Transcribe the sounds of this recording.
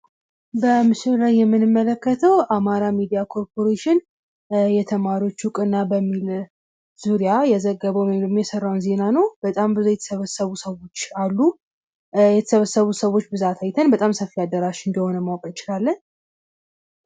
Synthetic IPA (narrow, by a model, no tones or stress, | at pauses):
bəmɨʃɪlajːɛmːɨnɨmːələkːət̪ʰəwʔamaɾamid̪ijakʰo̞ɾpʰo̞ɾeʃɪn | jɛt̪ʰəmaɾio̞t͡ʃːhukʼɨnːabəmːil | z̥uɾijajɛzəɡːəβəwjɛmlmjɛsərːawnze̞nanəwb̥ət̪ʼambɨzujɛt̪ʰə̥səβəsəβusəwo̞t͡ʃːalːu | jɛt̪ʰə̥səβəsəβusəwo̞t͡ʃːbɨzat̪ʰajt̪ʰənbət̪ʼamsəfːiad̪əɾaʃɨnd̪əho̞nəmawkʼəɪt͡ʃɪlalːəɲ